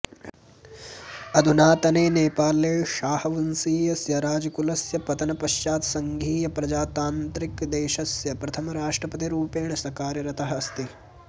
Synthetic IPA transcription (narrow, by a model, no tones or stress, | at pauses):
ɐd̪ʱunaːt̪ɐneːneːpaːleːʃaːhɐʋɐnsiːjɐsjɐɾaːd͡ʒɐkulɐsjɐpɐt̪ɐnɐpɐʃjaːt̪sɐŋɡʱiːjɐpɾɐd͡ʒaːt̪aːnt̪ɾikd̪eːʃɐsjɐpɾɐt̪ʰɐmɐɾaːʂʈɾɐpɐt̪̬iɾuːpeːɳɐsɐkaːɾjɐɾɐt̪ʰɐɦɐst̪i